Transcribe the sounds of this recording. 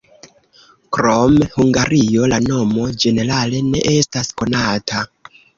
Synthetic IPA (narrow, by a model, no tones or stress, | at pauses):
kɾo̞mhuŋɡaɾijo̞lano̞mo̞d͡ʒe̞ne̞ɾale̞ne̞̰ʔe̞stasko̞natʰa